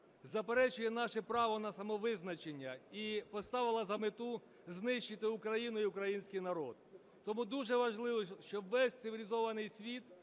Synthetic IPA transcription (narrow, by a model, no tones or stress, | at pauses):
zɐpeɾɛt͡ʃʊjɛnɑʃɛpɾɑʋɔnɐsɐmɔʋɪznɐt͡ʃenʲːɐipɔst̪ɑʋɪlˠɐzɐmɪt̪u | znɪʃt͡ʃɪt̪ɪʊkɾɐjinʊiʊkɾɐjinʲsʲkʲijnɐɾɔd̪̚ | t̪ːɔmud̪uʒɛʋɐʒlˠɪʋɔʃt͡ʃɔʋɛsʲt̪sɪʋʲilʲizɔʋɐnɪjsʲʋʲit̪